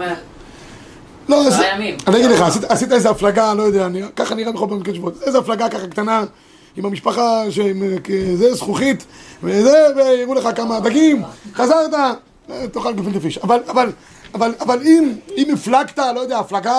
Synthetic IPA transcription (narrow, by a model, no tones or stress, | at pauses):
loasiianiaɡid̪leχaːsit̪aːsit̪̬aezeaflaɡalo̞jod̪eaniakaχaniʁabeχobamikeʃvot̪zeezeaflaɡakaχakt̪ana | imamiʃpaχaʃemkezezχuχit̪vezeveiʁuleχakamad̪aɡimχazaʁt̪a | et̪oχalɡifint̪ifiʃavalaval | avalavalimimiflaɡt̪alo̞jod̪e̞aːflaɡa